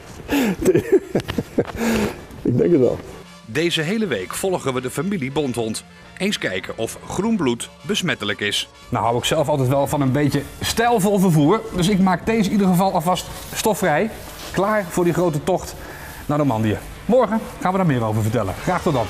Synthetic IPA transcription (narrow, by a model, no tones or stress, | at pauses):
ɪɡ̚dɛ̰ŋkətʋɛ̰lˠ | dejzəɦejləʋejkfɔlˠχənʋədəfamilibɔntɦɔnt | ejnskɛjkənʔɔfχrunblutbəsmɛtələkɪs | nawɦawɪksɛlˠfɑlˠtɛjtʋɛlˠvɑnənbejəstɛlˠvɔlˠvəɹvuːɹdɵs̬ɪkmaːk̚dejzəidəχəvɑlˠɑfɑst | stɔfrɛj | klaːɹv̥ʊːɹdiχrowtətɔχt | naːɹdomɑndijə̰ | mɔɹχəχaːnʋədaːɹmɪːɾowvəɹvəɹtɛlə̰χraːχtɔdɑt